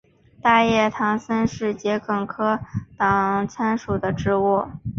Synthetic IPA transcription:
t̪a˥˧jɛ˥˩t̪ʰɑ˧˥ŋsə˥nʂɻ̩˥˩t͡ɕjɛ˧˥kɤ˥˩ŋkʰɤ˥t̪ɑ˨˩ŋŋt͡sʰa˥nʂu˨˩d̪ə˦ʈ͡ʂɻ̩˥wɔ˥˩

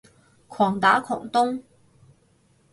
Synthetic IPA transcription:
kʰɔː˨˩ŋt̪aː˨˥kʰɔ̰ː˨˩ŋt̪ʊ˥ŋ

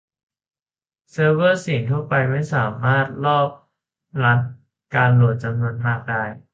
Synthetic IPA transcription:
sɤː˧wɤː˥˩si˨˩˦ŋt̪ʰu˥˩ɐpa˧jma˥˩jsaː˩˦maː˥˩t̪̚lɔː˥˩p̚ | la˦˥t̪̚ | kaː˧nlu˨˩ət̪̚t͡ɕa˧mnu˧ənmaː˥˩k̚daː˥˩j

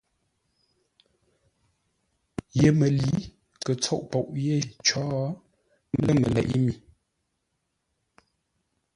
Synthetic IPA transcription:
je˨mə˨li˨˦ | kə˨t͡sɔ˦˨ʔpɔ˨ʔje˦˨t͡ʃɔː˦˨ | ə˦mə̰˨lɛ̰˨ʔi˦mi˨

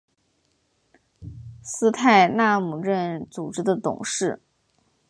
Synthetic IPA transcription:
sɹ̩˥˧t̪ʰa˥˧ɪna˥˩mu˨˩ɻə˥˩nt͡su˨˩ʈ͡ʂɻ̩˧˥d̪ə˧t̪ʊ̰˨˩˦ŋʂɻ̩˥˩

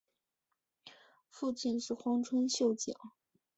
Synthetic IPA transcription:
fu˥˧t͡ɕi˥˧nʂɻ̩˥˩xwɑ˥ŋʈ͡ʂʰwə˥nɕjo˥˩ʊt͡ɕjɑ̰˨˩˦ŋ

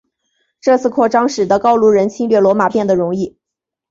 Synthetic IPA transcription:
ʈ͡ʂɤ˥˧t͡sʰɹ̩˥˧kʰwɔ˥˩ʈ͡ʂɑ˥ŋʂɻ̩˨˩d̪ə˦kɑ˥ʊlu˧˥˩ɻə˧˥nt͡ɕʰi˥nlɥɛ˥˩lwɔ˧˥ma˨˩pjɛ˥˩nd̪ə˩ɻʊ˧˥ŋi˥˩

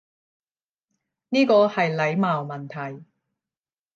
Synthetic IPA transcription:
niː˥kɔː˧hɐ˨jlɐ˨˧˥jmaː˨wmɐ˨˩nt̪ʰɐ˨˩j

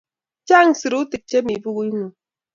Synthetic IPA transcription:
t͡ʃa˦˨ŋ˨sɨ˨ɾu˦ti˨k̚t͡ʃe˦mi˨bu˦ɣu˦i˦nu˨

